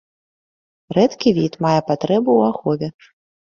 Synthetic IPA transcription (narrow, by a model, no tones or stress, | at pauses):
ɾɛt̪kʲivʲit̪majɛpat̪ɾɛbuːaxɔvʲɛ